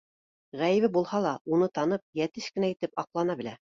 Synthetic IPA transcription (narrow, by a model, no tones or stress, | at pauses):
ʁæjɘ̆βɘbulˠhɑlˠɑunɤt̪ɑnɤp̚jæt̪ɘʃkɘ̆næit̪ɘpɑqlˠɑnɑbɘ̆læ